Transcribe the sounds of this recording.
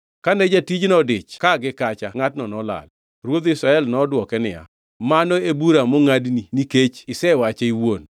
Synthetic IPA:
kanɛd͡ʒatid͡ʒnɔdɪt͡ʃkaɡɪkat͡ʃaŋatnɔnɔla̰l | ɾwod̪isɾaɛlnɔdwɔkɛnɪja̰ | manɔebuɾamoŋadniniket͡ʃɪsɛwat͡ʃeiwon

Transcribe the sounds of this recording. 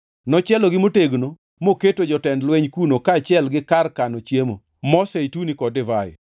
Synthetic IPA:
nɔt͡ʃɛlɔɡɪmoteɡno | moketod͡ʒɔtɛndlweɲkunokat͡ʃɪɛlɡɪkarkanot͡ʃjemo̰ | mɔseitunikɔdɪvaj̰

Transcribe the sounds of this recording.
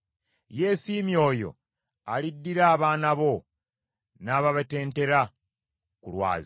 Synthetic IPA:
jeːsimjo̞ːjo̞̰ | alidːiɾaːβaːnaβo̞ | naːβaβate̞ːnte̞ɾa | kulwa̰ːz

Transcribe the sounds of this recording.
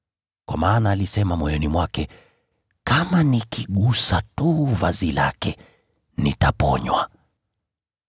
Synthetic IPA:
kwamaːnaːlisɛmamwɔjɔnimwakɛ | kamanikiɠusatuvazila̰kɛ | nḭtapɔɲwa̰

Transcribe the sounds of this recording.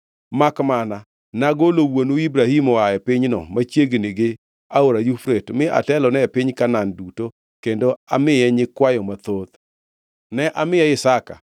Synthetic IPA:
makmana | naɡolowonoibɾahimɔwaɛpɪɲnɔ̰mat͡ʃjeɡneɡe | aoɾajufɾetmɪʔa̰tɛlɔnɛpɪɲkananduto | kendoamɪjɛɲɪkwajɔmat̪ot̪ | nɛʔamɪjɛɪsaka̰

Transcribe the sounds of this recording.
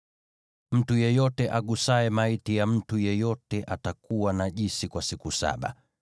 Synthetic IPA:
m̩tujɛjɔtɛʔaɠusaɛmaitijam̩tujɛjɔtɛʔatakuwanaʄisikwasikusa̰ɓa̰

